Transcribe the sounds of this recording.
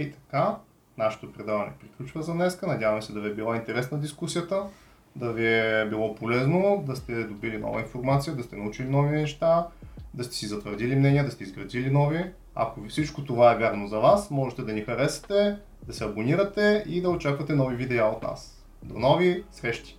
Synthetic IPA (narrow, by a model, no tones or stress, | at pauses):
it̪ɐ̥ka | naʃɛ̥t̪opɾɛd̪avɐnɛ̰pɾiklʲut͡ʃvəzɐnɛskənɐdʲjavɐmsɛd̪ɐviɛbilˠaint̪ɛɾɛsnɐd̪iskusijət̪ə | d̪ɐviɛbilˠɔpolɛznod̪ɐst̪ɛd̪obilinɔ̰vɐ̰infoɾmat̪sijəd̪ɐst̪ɛnɐut͡ʃilinɔvinɛʃt̪ad̪ɐst̪ɛ̥sizɐt̪vəɾd̪ilimnɛnʲiəd̪ɐst̪ɛizɡɾɐd̪ilinɔvi | ɐ̰kofsit͡ʃkot̪ovaɛvʲjaɾnozɐvasmɔʒɛt̪ɛd̪ɐnixɐɾɛsɐ̥t̪ɛ | d̪ɐsɛɐboniɾət̪ɛid̪ɐot͡ʃakvət̪ɛnɔvivid̪ɛaot̪na̰s | d̪o̰nɔvisɾɛʃt̪i̥